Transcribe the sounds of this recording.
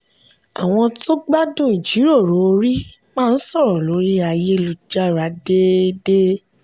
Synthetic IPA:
a̰˨w̃ɔ̃˧to˦ɡ͡ba˦dũ˦˨i˨d͡ʒi˨˦ɾo˦˨ɾo˨˦˧ɾi˦ | mãː˦˧˨n̩˦sɔ˦˨ɾɔ̃˨lo˨˦ɾi˦a˧je˧lu˨d͡ʒa˦ɾa˨˦de˦de˦

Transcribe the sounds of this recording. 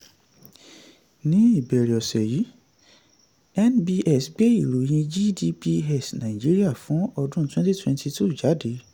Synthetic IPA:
nĩ˦i˦˨bɛ˨ɾi˨ɔ˨sɛ˨ji˨˦ | ɛ˦nbi˧ʔɛ˦˨sɡ͡be˦i˦˨ɾo˨j̃ĩ˧d͡ʒi˦di˧pi˦˧ɛ˦˨snã˨i˨d͡ʒi˦ɾi˦a˦˨fũ˨˦ɔ˧dũ˦twɛ̃˦ti˦twɛ̃˧nti˧tu˦˨d͡ʒa˨˦de˨˦

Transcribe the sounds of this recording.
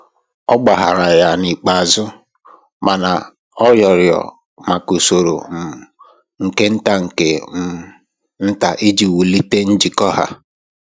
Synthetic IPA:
ɔ˦ɡ͡ba˨ɦa˨ɾa˨ja˦˨ni˨k͡pa˨zʊ˦ | ma˨na˨ | ɔ˦jɔ˨ɾjɔ̰˨ | ma˨ku˨so˨ɾo̰˨m̩˨ | ŋ̩˨ke˦n̩˦ta˦ŋ̩˨ke˨˦ | n̩˦ta˨ʔi˦d͡ʒi˨wu˨li˦te˦n̩˦d͡ʒi˨kɔ˦ha̰˦

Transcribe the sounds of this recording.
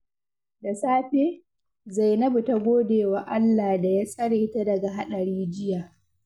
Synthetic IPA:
da˨saː˦ɸeː˦ | za˨jnɐ˦bu˨ta˦ɡʷoː˦deː˨wa˨ʔa˦lːaː˨da˨jaː˦sɐ˦ɽe˨˦ta˦dɐ˨ɡa˨ɦa˦ɗɐ˨ɾiː˦d͡ʒɪ˦jaː˨

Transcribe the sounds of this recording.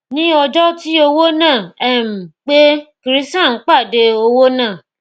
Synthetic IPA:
nĩ˦ɔ˧d͡ʒɔ˦ti˦o˧wo˦nãː˦˨ɛ˦˨m̩˨k͡pe˦ki˨˧ɾi˦sã˦˨ŋ̩˦k͡pa˦˨de˧o˧wo˦nãː˦˨

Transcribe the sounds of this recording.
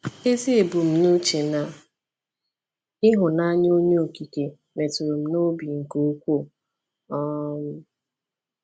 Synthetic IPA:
e˦zi˦e˨bu˨m̩˨nu˦t͡ʃe˨na˨ | ɪ˦ɦʊ˨na˦ɲ˦o˦ɲe˦o˨ki˨ke˨ | me˨tu˨ɾo˨m̩˦no˦bi˨ŋ̩˨ko˦kʷo˦˨ | ɔ˦m̩˦

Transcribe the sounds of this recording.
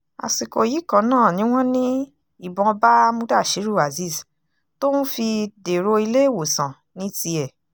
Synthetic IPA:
a̰˨si˨ko˨ji˨˦kã˨˦nãː˦˨nĩ˨˦w̃ɔ̃˦nĩ˦ | i˦˨bɔ̃˧ba˦mũ˦da˦˨ʃi˨˦ɾu˦˨a˨zi˦˨s | to˦nũ˦fi˧de˨ɾo˧i˧le˦i˦˨wo˨sã˨ | nĩ˨˦ti˧ɛ˨

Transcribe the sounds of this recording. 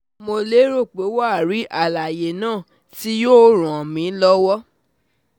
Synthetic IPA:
mo˧le˦ɾo˦˨k͡pe˨˦wa˦a˦˨ɾi˨˦ʔa˦˨la˨je˨nãː˦˨ | ti˦joː˦ɾ̃ũ˨ɔ˨mĩ˨˦lɔ˦wɔ˦

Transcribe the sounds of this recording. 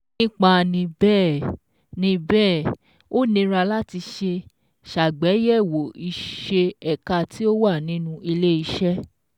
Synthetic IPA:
nĩ˦k͡pa˦˨nĩ˧bɛː˦˨ | nĩ˧bɛː˦˨ | o˦nĩ˧ɾa˧la˦ti˧ʃe˧ | ʃa˨ɡ͡bɛ˨˦jɛ˦˨wo˨i˧ʃe˧ɛ˨ka˧˨tʰi˦o˦wa˦˨nĩ˦nũ˧i˧le˦i˦˧ʃɛ˦

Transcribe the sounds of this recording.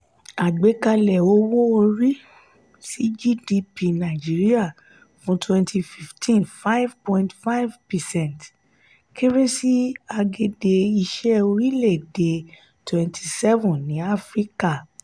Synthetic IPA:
a˨ɡ͡be˨˦ka˧lɛ˨o˦wo˦o˧ɾi˦ | si˦d͡ʒi˦di˧pi˧nã˨d͡ʒi˨˦ɾi˦a˦˨ | fũ˦twɛ̃˧ntʰi˧fi˦˨ftʰĩ˦nfa˦jvpɔ̃˦˧ĩntfa˦jvpɛ˨sɛ̃˦˨nt | ke˦ɾe˦si˦a˧ɡe˧de˧i˧ʃɛ˦o˧ɾi˦le˦˨de˨ | twɛ̃˧ntʰi˧sɛ˦vũ˨nĩ˨˦a˦fɾi˦ka˦˨

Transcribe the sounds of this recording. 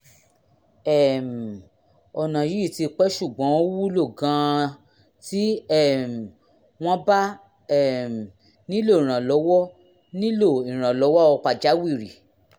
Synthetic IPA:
ɛ˦˨m˨ | ɔ˨nã˨ji˨˦˨ti˧k͡pɛ˦ʃu˦˨ɡ͡bɔ̃˨˦o˦wu˦lo˦˨ɡã˨˧ | ti˦ɛ˦˨m̩˨ | w̃ɔ̃˦ba˦ | ɛ˦˨m˨ | nĩ˦lo˦˨ĩ˨ɾ̃ã˨lɔ˨˦wɔ˦ | nĩ˦lo˦˨ĩ˨ɾ̃ã˨lɔ˨˦wɔ˦ɔ˧k͡pa˨d͡ʒa˨˦wi˦˨ɾi˨

